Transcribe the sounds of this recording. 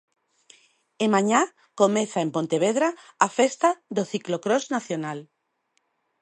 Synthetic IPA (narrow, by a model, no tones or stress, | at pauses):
emãɲa | komẽθaempõnt̪eβ̞eðɾaːfest̪aðoθiklokɾoznaθjonal